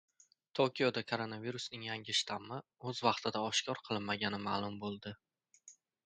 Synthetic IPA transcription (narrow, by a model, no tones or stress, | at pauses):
t̪ʰokʲjod̪akʰoɾo̞naviɾusnɪŋjaŋʲɪʃt̪ʰamɪɵzvɑqt̪ʰɪd̪aɒʃkʰʲɒɾqʰɨlˠɪnmaɡʲanɪmaːlˠʊmbolˠd̪ɪ